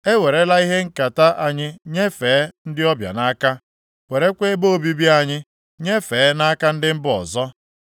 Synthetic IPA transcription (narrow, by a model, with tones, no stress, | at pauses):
e˦we˨ɾe˨˦la˦i˦ɦe˦ŋ̩˦ka˨ta˦ʔa˦ɲɪ˦ɲe˦feː˨˦n̩˦dɪ˦ɔ˦bja̰˨na˦ka˦ | we˨ɾe˦kʷe˦bo˦˨bi˦bi˦a˨ɲɪ˦ | ɲe˦fe˨˦na˦ka˦n̩˦dɪ˦m̩˦bʊ˦ɔ̰˨zɔ˦